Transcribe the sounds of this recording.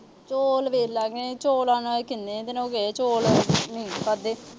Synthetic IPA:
t͡ʃoːlʋeːlaːɡeːt͡ʃoːlãːnãekɪnːẽːt̪enõːɡeːt͡ʃoːlnĩːpəd̪eː

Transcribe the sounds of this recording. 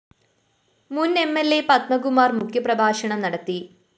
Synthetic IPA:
mune̞mːelːe̞pɐt̪mɐɡumːaːrmukʰjɐprɐbʱaːɕɐɳɐmnɐɽɐt̪ːi

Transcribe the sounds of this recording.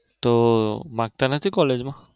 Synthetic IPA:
t̪omaɡ̚t̪anat̪ʰikɔled͡ʒmã

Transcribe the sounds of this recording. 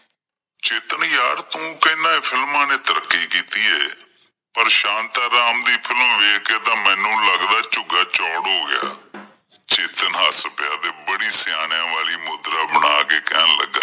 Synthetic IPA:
t͡ʃeːt̪əɳjaːɾt̪ũːkəɪnãːeːpʰɪlmãːnẽːt̪əɾəkːiːkiːt̪iːɛː | pəɾʃãːnt̪aːɾaːmd̪iːpʰɪləmʋeːkʰkeːt̪ãːmɛ̃ːnũːləɡd̪aːt͡ʃʊɡaːt͡ʃɔːɽɦoːɡɪja̰ː | t͡ʃeːt̪ənɦaːspɪjaːd̪eːbəɽiːsɪjaːɽ̃jãːʋaːliːmʊd̪ɾaːbəɽ̃aːkeːkɛːnlə̰ɡːa̰ː

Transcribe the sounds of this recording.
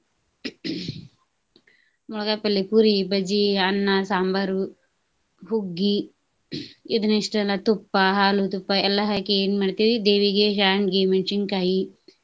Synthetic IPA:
muɭɐkapɐlːipuɾibɐd͡ʒiɐnːasaːmbɐɾu | ɦuɡːi | id̪unɐʂʈɐɐlɐt̪upːɐɦaːlut̪upːɐɛlːɐɦɐkeeːnmaɽit̪iʋid̪eːʋiɡeːʃaːnɡement͡ʃiŋkaːji

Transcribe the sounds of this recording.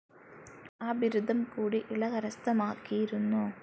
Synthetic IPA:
aːbiɾud̪ʱɐmkuːɽiʔiɭɐɣɐɾɐst̪ɐmaːkːijiɾunːu

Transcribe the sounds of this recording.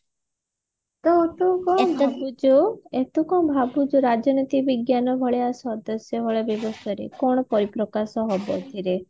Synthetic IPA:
t̪ɔːʈ̪ukɔbʱabud͡ʒuet̪ukɔmbʱabud͡ʒuɾad͡ʒɔnit̪ibiɡjanɔbʱɔɭeasɔd̪ɔsjɔbʱɔɭeabjɔbɔst̪ʰaɾḛkɔɽ̃ɔpɔɾipɾɔkasɔɦɔbɔ̰t̪ʰiɾe

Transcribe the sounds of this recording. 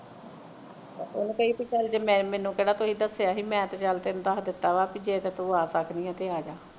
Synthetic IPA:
ʊnkəiːpit͡ʃəld͡ʒemɛ̃ːmɛːnũːkeːɽaːt̪oːɦiːd̪əsjaːɦiːmɛ̃ːt̪ːt͡ʃəlt̪eñːd̪aːd̪ɪt̪ːaːʋaːpiːd͡ʒeːt̪eːt̪oːaːsəknĩːɛ̃ːt̪eːaːd͡ʒaː

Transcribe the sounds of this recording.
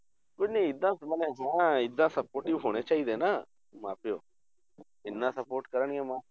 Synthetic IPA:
kʊd͡ʒnẽɪd̪ːãməneɦãːɪd̪ːãsəpoːɾʈɪʋɦoːɽ̃et͡ʃaːɦid̪enaː | mã̰ːpɪjoː | ɪnːãːsəpoːɾʈkəɾəɳɡemãː

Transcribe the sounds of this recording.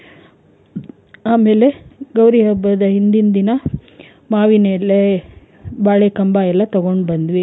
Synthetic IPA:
aːme̞ːle̞ɡɐwɾiɦɐbːɐd̪ɐɦind̪ind̪inɐ | maːʋinelːe | baːɭekɐmbaːɛlːɐt̪ɐɡo̞ɳɖbɐnd̪ʋi

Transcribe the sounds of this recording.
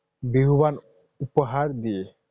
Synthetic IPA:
biɦuban | upɔɦaɾd̪ie

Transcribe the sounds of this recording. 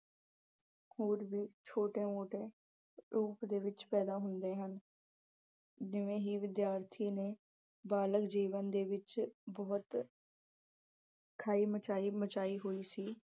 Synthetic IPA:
hoːɾʋiːt͡ʃʰoːʈẽːmoːʈeː | ɾuːpd̪eːʋɪt͡ʃpɛːd̪aːɦʊnd̪eːɦən | d͡ʒɪʋẽːɦiːʋɪd̪jaːɾt̪ʰiːneː | baːləkd͡ʒiːʋənd̪eːʋɪt͡ʃbɔːt̪ | kʰaːiːmət͡ʃaːiːmət͡ʃaːiːɦoːiːsiː

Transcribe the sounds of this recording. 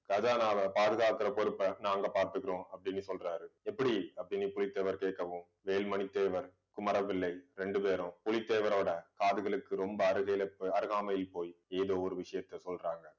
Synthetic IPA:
ɡɐd͡ʒaːnaːʋɐpaːðɯɣaːkɪrɐpɔɾɯpːɐnaːŋɡɐpaːɾt̪ɯkːɪrõːɐpːɐɽɪnːɯsɔlraːɾɯɛpːɐɽiɐpːɐɽɪnːɯpʊlɪt̪ːeʋɐɾkeːʈ̚kːɐʋɯm | ʋeːlmɐnɪt̪ːeːʋɐɾ | kʊmɐɾɐʋɪlːɐɪɾɛɳɖɯpeːɾʊ̃pʊlɪt̪ːeːʋɐɾoːɽɐkaːðɯɣɐɭɯkːɯɾɔmbɐːɾɯɣɐjlɐpːɐɾɯɣaːmɐjɪlpoːjeːðoːɔɾɯʋɪʂɐjɐt̪ːɐsɔlraːŋɡɐ

